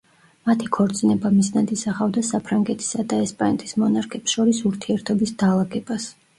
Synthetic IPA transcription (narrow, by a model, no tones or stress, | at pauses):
mat̪ʰikʰɔɾt̪sʼinɛbamiznad̪isaχavd̪asapʰɾaŋɡɛt̪ʰi̥sad̪aɛspʼanɛt̪ʰi̥smɔnaɾkʰɛpsʃɔɾisuɾt̪ʰiɛɾt̪ʰɔbisd̪alˠaɡɛbas